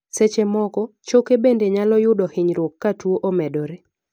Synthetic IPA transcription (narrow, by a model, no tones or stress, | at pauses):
set͡ʃemɔɡɔt͡ʃokebendeɲalɔjʊdɔhɪɲɾokːatwoʔomɛdɔɾe